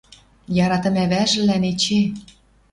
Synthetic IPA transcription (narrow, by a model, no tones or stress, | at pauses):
jɑɾɑt̪ə̆mæβæʒɘ̆lænet͡ɕe